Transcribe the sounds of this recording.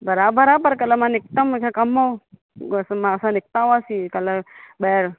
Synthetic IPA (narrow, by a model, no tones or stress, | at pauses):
bəɾaːbəɾaːbəɾkɐləmãnɪk̚t̪əmkʰekɐmːow | smãsãnɪk̚t̪aːʋaːsiːkɐlebeɾ